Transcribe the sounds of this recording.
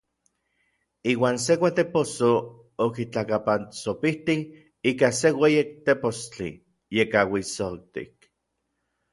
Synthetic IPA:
iːwaːns̬ekʷat̪eposo | okit͡ɬakapant͡sopiht̪ih | iːkasewejek̚t̪epost͡ɬḭ | jekawisok̚t̪ḭk̚

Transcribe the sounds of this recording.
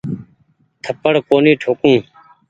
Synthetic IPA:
t̪ʰəpəɽkoːniːʈʰoːkũː

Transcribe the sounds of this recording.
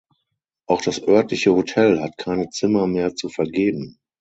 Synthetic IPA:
ʔaʊxd̥asʔœɐtlɪçəhotʰɛlhatkʰaɪnət͡sɪmɐmeːɐt͡sufɛɐɡeːbm̩

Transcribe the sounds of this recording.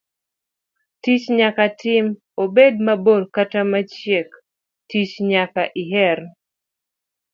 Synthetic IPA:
tit͡ʃɲakatɪm | obed̚mabodkatamat͡ʃjek | tit͡ʃɲakaʔiɦɛr

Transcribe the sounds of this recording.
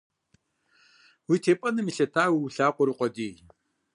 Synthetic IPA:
witʰeːpʼɐnɨmiɬɐtʰaːwiwɬaːqʷʼɔɾɨqʷʼɔdiːj

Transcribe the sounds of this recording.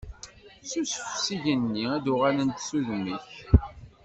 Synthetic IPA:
susfsiʝənːiæðʊʁælənt̪suðəmːiç

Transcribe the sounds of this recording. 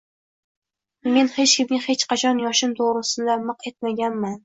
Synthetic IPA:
me̞nhe̞t͡ʃkʲɪmnɪŋʲhe̞t͡ʃqʰɑt͡ʃʰɒnjɒʃɪmt̪ʰoʁɾɪsɪnd̪amɨqe̞t̪̚maɡʲanman

